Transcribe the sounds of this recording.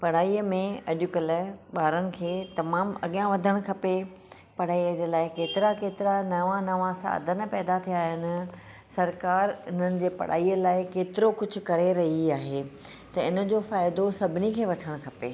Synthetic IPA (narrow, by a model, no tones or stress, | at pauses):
pɐɽ̤aːiːəmẽɐʄʊkələɓaːɾənɪ̆kʰeːt̪ɐmaːmɐ̰ɠijãʋɐd̪ʱəɽ̃kʰɐpe | pɐɽ̤aːiəd͡ʑelaːɪkeːt̪ɪɾakeːt̪ɪɾanɐʋãnɐʋãsa̰ːd̪ʱən̆pɛːd̪at̪ʰijaːɦɪnɪ̆ | sɐɾkaːɾɪn̤ənɪ̆d͡ʑeːpɐ̰ɽ̤a̰ːiːəlaːɪkeːt̪ɪɾokʊd͡ʑʱʊ̆kɐɾeɾɐɦiaːɦeː | t̪ɐɪnə̆d͡ʑoːfaːɪd̪osɐbʱɪnikʰeːʋɐʈʰəɽ̃kʰɐpḛː